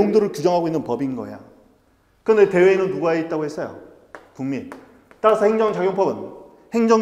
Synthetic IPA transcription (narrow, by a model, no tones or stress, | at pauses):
oŋdɯɾɯɭkud͡ʑʌŋɦaɡoinːɯnpʌbinɡʌja̰ | kɯɯndete̞we̞inɯnːuɡaeit̚t͈aɡohe̞s͈ʌjo̰ | puŋmi | t͈aɾasʰʌheŋd͡ʑʌŋt͡ɕaɡjoŋpʰʌbɯn | heŋd͡ʑʌŋ